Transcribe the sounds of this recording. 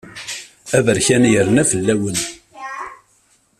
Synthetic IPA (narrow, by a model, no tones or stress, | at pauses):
ævəɾçænjəɾnæfəlːæwən